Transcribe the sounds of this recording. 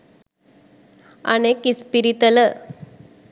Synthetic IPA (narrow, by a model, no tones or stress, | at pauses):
a̰nekispiɾit̪ələ